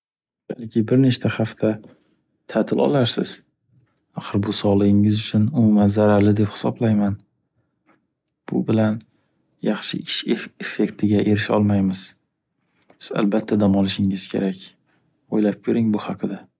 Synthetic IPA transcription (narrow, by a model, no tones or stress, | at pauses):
b̥alˠkʲʰɪbɪɾneʃt̪ʰahaft̪ʰa | t̪ʰat̪ʰɪlɒ̰lˠaɾsɪ̰z̥ | ɑqɨɾbʊsɒlˠɪɡʲɪŋɪzʊt͡ʃʰʊnʊmʊmanzaɾaɾlɪd̪e̞phɪ̥sɒblajman | b̥ʊ̰bɪlan | jɑχʃɪ̰ɪʃeefːe̞kʲt̪ʰɪɡʲaʔe̞ɾɪʃɒ̰lˠmajmɪz̥ | a̰lbat̪ʰːad̪amɒlɪʃɪŋɪzkʲʰe̞̰ɾakʲ | ojlap̚kʲʰɵɾɪŋbʊhɑqʰɨd̪a